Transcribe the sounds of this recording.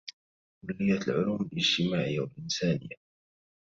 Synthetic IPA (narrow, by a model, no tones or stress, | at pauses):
kʊlːɪjːat̪lʕʊluːmɪlʔɪd͡ʒt̪ɪmaːʕɪjːawalʔɪnsaːnɪ̰jːa